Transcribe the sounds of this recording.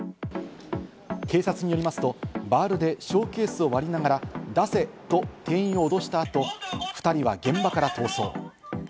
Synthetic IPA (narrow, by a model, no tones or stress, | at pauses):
ke̞ːsat͡sɨɲ̟ijo̞ɾimasɨ̥t̪o̞baːɾɯ̟d̪e̞ɕo̞ːke̞ːsɨo̞βaɾʲinaɡaɾad̪ase̞t̪o̞t̪e̞ːĩo̞ːd̪o̞ɕi̥t̪aːt̪o̞ɸɯ̟̥t̪aɾʲiβaɡẽ̞mbakaɾat̪o̞ːso̞̰ː